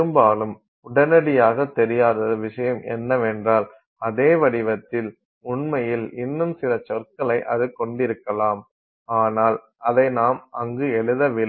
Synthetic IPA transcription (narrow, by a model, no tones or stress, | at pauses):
pɯmbaːlɯm | ʊɽɐnɐɽɪjaːɣɐt̪ːɛɾɪjaːðɐðɯʋɪʂɐjɐmɛ̰nːɐʋɛndraːl | ɐðeːʋɐɽɪʋɐt̪ːɪl | ʊɳmɐjɪlɪnːɯmsɪlɐt͡ʃɔrkɐlɐɪʔɐðɯkɔɳɖɪɾɯkːɐlaːm | aːnaːl | ʔɐðɐɪnaːmʔɐŋɡɯɛɭɯðɐʋɪl